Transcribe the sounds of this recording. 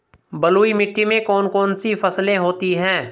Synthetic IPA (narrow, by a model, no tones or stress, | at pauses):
bəluːimɪʈːimẽkɔːnkɔːnsifɐslẽɦoːt̪iɦɛ̃ː